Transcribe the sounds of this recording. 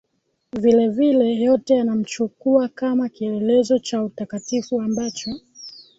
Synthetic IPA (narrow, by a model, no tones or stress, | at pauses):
vilɛvilɛjɔtɛjanam̩t͡ʃukuakamakiɛɛlɛzɔt͡ʃautakatifuambat͡ʃɔ